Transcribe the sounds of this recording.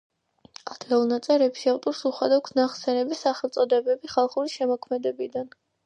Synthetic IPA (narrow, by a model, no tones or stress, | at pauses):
ad̪̥ɡɛlˠnat̪sʼɛɾɛpʃiavt̪ʼɔɾsuχad̪aksnaχsɛnɛbisaχɛlˠt̪sʼɔd̪ɛbɛbiχalˠχuɾiʃɛmɔkʰmɛd̪ɛbid̪an